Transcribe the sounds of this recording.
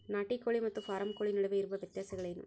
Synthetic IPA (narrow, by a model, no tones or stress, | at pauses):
naʈːikːoːɭimɐt̪ːɯfaːɾɐmkoːɭinɪɽɐʋɐɪɾɯʋɐʋɪt̪ːjaːsɐɣɐɭɐnɯ̰m